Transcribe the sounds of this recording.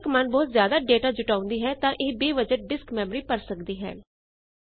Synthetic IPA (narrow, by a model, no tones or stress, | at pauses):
kmənbɔːt̪zjaːd̪aːɖeːʈaːd͡ʒʊʈaːʊ̃nd̪iːɦɛːt̪ãːʔɪbiːʋəd͡ʒəʈ̚ɖɪskmɛːməɾiːpəɾsəkd̪iːɦɛ̰ː